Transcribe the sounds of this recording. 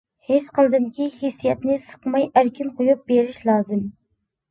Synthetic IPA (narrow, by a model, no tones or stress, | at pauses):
het͡ʃqəlˠd̪ɨmkʲihesijɛt̪nɪsə̥qmɑjæɾkʲʰinqʰojup̚beɾɪʃlˠɑːzɨm